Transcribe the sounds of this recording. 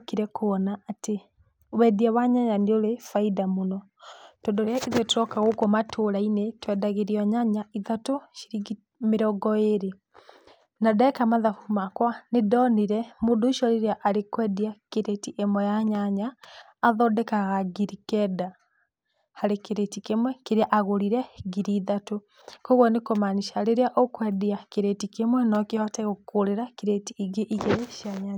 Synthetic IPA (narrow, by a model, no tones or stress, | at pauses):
kiɾɛkoβɔnaʔate | wɛdiawaɲaɲaneoɾefaidamonɔ | tɔndɔɾeaʔiðɛtoɾɔkaɣokomatʰoɾainetwɛdaɣeɾiɔɲaɲaiðatoʃiɾiɡi | meɾɔɡɔeɾe | nadaɛkamaðafumakwanedɔniɾɛmoːndoːʃɔɾiɾaʔaɾekwɛdiakeɾetiʔemwɛjaɲaɲaː | ðɔdɛkaɣaɡiɾikɛda | haɾekeɾetikemwɛkeɾeaʔaɣoɾiɾɛɡiɾiðato | kɔɣwɔnekomaniʃaleɾjaʔokwɛdiakeɾetikemwɛnɔkihɔtɛɣokoɾeɾakeɾetiɣeʔiɣeʃiaɲaa